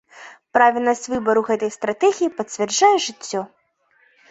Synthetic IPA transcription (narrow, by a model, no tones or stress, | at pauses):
pɾavʲilʲnɐsʲt͡sʲvɨbɐɾuɣɛt̪ɐjst̪ɾat̪ɛɣʲijipɐt͡sʲvʲɛrd͡ʒajɛʐɨt͡sʲːɔ